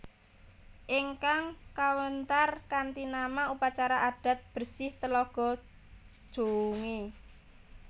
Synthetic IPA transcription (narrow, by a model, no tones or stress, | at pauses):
ʔiŋkaŋkawənt̪arkant̪inamaupat͡ʃaɾaʔaɖ̥a̤t̪̚b̥ərsɪht̪əlɔɡ̥ɔ̤̥ | ʒ̥o̤uŋi